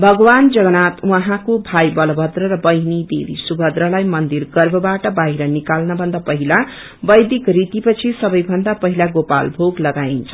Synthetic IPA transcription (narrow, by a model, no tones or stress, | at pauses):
bʱʌɡʌwand͡zʌɡʌnat̪wʌɦãkobʱajbʌlʌbʱʌd̪rʌɾʌbʌjnid̪ḛb̪ḭsubʱʌd̪ɾʌlajmʌnd̪iɾɡʌrbʱʌbaʈʌbaɦiɾʌnikalnʌbʱʌnd̪apʌɦila | bʌjd̪ikrit̪ipʌt͡sʰisʌbʌjbʱʌnd̪apʌɦilaɡopa̰lbʱoɡlʌɡaint͡sʰʌ